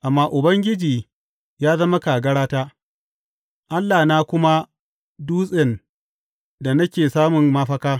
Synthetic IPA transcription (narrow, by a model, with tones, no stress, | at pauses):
ʔa˨mːaː˦ʔʊ˨bɐ˦ŋɡʲɪ˦d͡ʒiː˨ | jaː˦zɐ˦ma˦ka˨ɡɐ˦ɽaː˦taː˦ | ʔa˦lːaː˨naː˦kʷʊ˦ma˦ | duː˦sʼɪ˨n | da˨na˦kʲeː˨saː˦mʊ˨mːa˦ɸɐ˦kaː˦